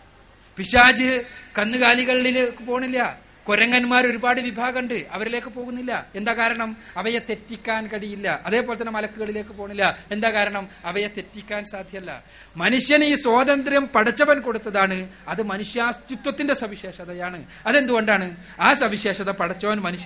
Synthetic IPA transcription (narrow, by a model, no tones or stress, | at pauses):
piɕaːd͡ʑɨkɐnːɨɣaːliɣɐɭːilekːɨpo̞ːɳːilːɐ | koɾɐŋːɐnmaːɾo̞ɾubaːɽɨʋibʱaːɣɐɳɖɨʔɐʋɐɾile̞ːkːɨpoːɣunːilːɐe̞nd̪aːkaːɾɐɳɐmɐʋɐjɐt̪e̞tːikʲːaːnkɐɽijilːɐʔɐðe̞ːpolet̪ːɐnːemɐlɐkːuɣɐɭile̞ːkːɨpoːɳːilːɐe̞nd̪aːkaːɾɐɳɐmɐʋɐjɐt̪e̞tːikʲːaːnsaːd̪ʱjɐɐlːɐ̰ | mɐnuʂjɐniːswoːd̪ɐnd̪ɾjɐmpɐɽɐt͡ɕːɐʋɐnko̞ɽut̪ːɐðaːɳɨ | ɐðɨmɐnuʂjaːst̪jut̪wɐt̪ːinde̞sɐbiɕe̞ːʂɐðɐjaːɳɨ | ɐðend̪uɣo̞ɳɖaːɳɨ | aːsɐʋiɕe̞ːʂɐðɐpɐɽɐt͡ɕːɐʋɐnmɐnuʂjɐn